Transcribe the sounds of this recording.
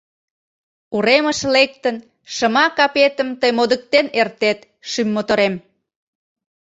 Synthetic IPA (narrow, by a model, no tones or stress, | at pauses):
uɾeməʃlek̚t̪ən | ʃəmɑkɑpet̪əmt̪əjmod̪ək̚t̪enert̪et̪ | ʃymːot̪oɾem